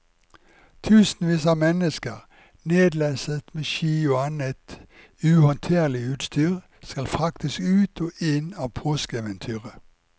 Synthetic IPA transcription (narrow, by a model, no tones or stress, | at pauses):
t̪ʰʉːsn̩ʋiːsɑmɛnəskəʁ | neːd̪læːsət̪meːʃiːʊɑnət̪ | ʉhɔnt̪ʰeːʁlɪʉːt̪st̪yːʁ | skɑlfɑk̚t̪ɪskʉːt̪ʰoːʔɪnɑːʋpʰoːskeːʋənt̪ʰyːʁə